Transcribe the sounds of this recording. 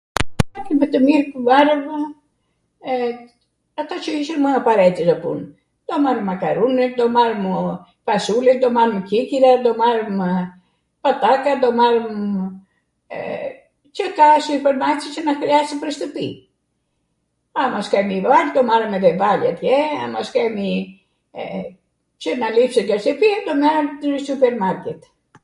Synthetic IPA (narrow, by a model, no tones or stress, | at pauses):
akibət̪əmiɾkəvaɾəm | at̪at͡ʃəiʃəɾməapaɾɛt̪əzapṵn | d̪̥ɔmaɾəmakaɾunɛd̪ɔmaɾəm | pasulɛd̪ɔmaɾəmkikiɾad̪ɔmaɾəm | pat̪akad̪ɔmaɾəm | t͡ʃəkasupɛɾmaɾt̪it͡ʃənakɾɛasəpəɾst̪əpḭ | amaskamivald̪ɔmaɾəmɛvɛvalat̪jɛa̰mɔskami | t͡ʃənalifsəɡaɾst̪əpid̪ɔmaɾmsupɛɾmaɾkɛt̪